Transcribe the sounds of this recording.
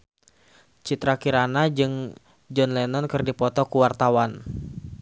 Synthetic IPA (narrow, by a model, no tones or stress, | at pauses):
t͡ʃit̪ɾakiɾanad͡ʒɨŋ | d͡ʒɔnlɛnɔnkɨrdipɔt̪ɔkuwart̪awan